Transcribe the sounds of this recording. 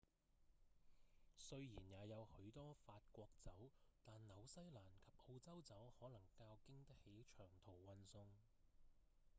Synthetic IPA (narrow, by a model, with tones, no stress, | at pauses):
sɵ˧ɥjiː˨˩njaː˨˧jɐ˨˧whɵ˨˥ɥt̪ɔː˥faː˧t̚kʷɔː˧k̚t͡sɐ˨˥wt̪aː˨nnɐ˨˧wsɐ˥jlaː˨˩nkʰɐ˨˩p̚ʔo˧wt͡sɐ˥wt͡sɐ˨˥whɔː˨˥lɐ˨˩ŋkaː˧wkɪ˥ŋt̪ɐ˥k̚he˨˥jt͡ʃʰœː˨˩ŋt̪ʰo˨˩wwɐ˧nsʊ˥ŋ